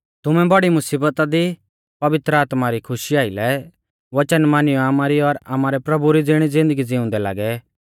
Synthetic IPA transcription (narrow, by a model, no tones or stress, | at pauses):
t̪ʊmɛ̃bɐɽimʊsiːbət̪ad̪i | pɐʋɪt̪ɾəaːt̪maɾikʰʊʃiaːɪlɛ | ʋɐt͡ʃənmaːnɪjɔamaɾiɔɾa̰maːɾɛpɾɐbuɾid͡zɪɽ̃id͡zɪ̃nd̪əɡid͡zɪʊ̃nd̪ɛla̰ːɡɛ